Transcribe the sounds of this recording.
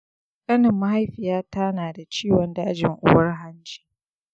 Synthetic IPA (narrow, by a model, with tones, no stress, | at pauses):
kʼɐ˦nɪ˨mːa˦ɦa˦jɸɪ˨jaː˦ta˦naː˨da˨t͡ʃiː˦wɔ˨ndaː˦d͡ʒɪ˨ŋʔʊ̰˦wɐ˦rɦa˦nd͡ʒi̥ː˦